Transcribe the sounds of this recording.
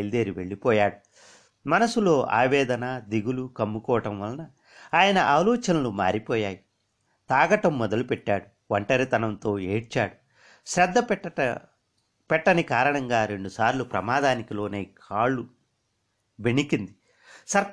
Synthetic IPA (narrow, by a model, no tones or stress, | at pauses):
eld̪eːɾiʋe̞̰ɭːipɔːjaːɽu | mɐnɐsulo̞ːʔa̰ːʋɛːd̪ɐnaːd̪iɡulukɐmːukɔːʋɐʈɐmʋɐlɐnɐ | aːjɐnɐʔaːlɔːt͡ʃɐnɐluma̰ːɾipɔːjaːji | t̪aːɡɐʈɐmːɔd̪ɐlupɛʈːaːɽu | ʋɐɳʈɐɾit̪ɐnɐnt̪o̞ːe̞ːɽt͡ʃaːɽu | ʃɾɛd̪ʱːɐp | pɛʈːɐnikaːɾɐɳɐŋɡaːɾe̞ɳɖusaːɾlupɾɐ̰maːd̪aːnikilo̞ːne̞ːkʰaːɭːu | ʋeɳikind̪i | sɐɾ